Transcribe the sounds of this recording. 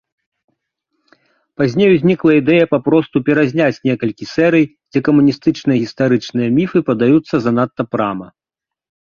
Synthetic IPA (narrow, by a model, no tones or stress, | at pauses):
pazʲnʲejuzʲnʲiklˠɐid̪ɛjɐpapɾɔst̪upʲɛɾazʲnʲat͡sʲnʲɛkɐlʲkʲisɛɾɨj | d͡zʲɛkɐmunʲist̪ɨt͡ʂnɨjɐɣʲist̪aɾɨt͡ʂnɨjɐmʲifɨpɐd̪ajut̪sːɐzɐn̪at̪ːɐpɾamɐ